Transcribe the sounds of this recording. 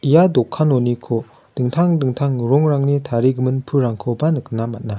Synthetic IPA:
ijadɔkʰːanɔnikʰo | d̥ɯŋtʰaŋdɯŋtʰaŋɾɔŋɾaŋnitʰaɾiɡɯmɯnpʰɯɾaŋkʰɔbanɯk̚namat̚na

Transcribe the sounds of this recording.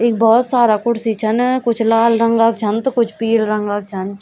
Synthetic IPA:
ɪk̚bɔːt̪saːɾaːkʊʈsit͡ʃʰɐnkʊt͡ʃʰlaːlɾɐŋɡaːkt͡ʃʰɐnt̪kʊt͡ʃʰpiːlɾɐŋɡaːk̚t͡ʃʰɐn

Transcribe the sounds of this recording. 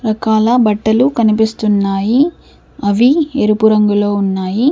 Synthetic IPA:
ɾɐkaːlɐbɐʈːɐlukɐnipist̪unːaːji | ɐʋieɾupuɾɐŋɡulo̞ːunːaːji

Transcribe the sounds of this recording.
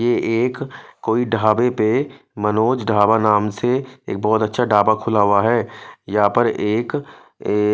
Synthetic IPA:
jeːʔeːkkːoːiɖʱaːbepe | mɐnoːd͡ʒɖʱaːbanaːmseḛːk̚bɔːt̪ətːʃʰaɖaːbakʰʊlaɦʊaɦɛːjɐɦãpəɾeːk

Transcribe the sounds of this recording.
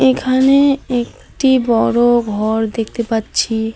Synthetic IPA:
ekʰaneek | ʈibɔɾoɡʱɔɾd̪ekʰt̪epatːɕʰi

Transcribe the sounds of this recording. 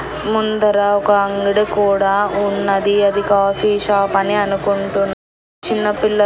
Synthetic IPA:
mund̪ɐɾaːkaɐŋɡiɽɐkuːɽaunːɐd̪iɐd̪ikaːfiːʃaːpɐneɐnukoɳʈun | t͡ʃinːɐpilːɐ

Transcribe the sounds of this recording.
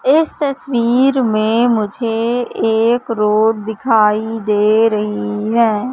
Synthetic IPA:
ɪst̪əsʋiːɾmẽmʊd͡ʒʱeeːkɾoːɖ̚d̪ɪkʰaːid̪eːɾɐɦiɦɛː

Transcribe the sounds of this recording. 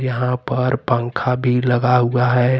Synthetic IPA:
jɐɦãpɐɾpə̃ŋkʰabʱilɐɡaɦuaɦɛː

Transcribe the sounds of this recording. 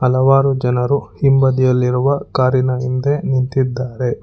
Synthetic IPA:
ɐlɐʋaːɾud͡ʒɐnɐɾuhimbɐd̪ijɐlːiɾuʋɐkaːɾinɐind̪enint̪id̪ːaːɾe̞

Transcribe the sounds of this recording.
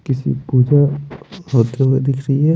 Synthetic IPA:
kɪsḭpuːd͡ʒahoːt̪eɦued̪ɪkʰɾɐɦiɦɛ

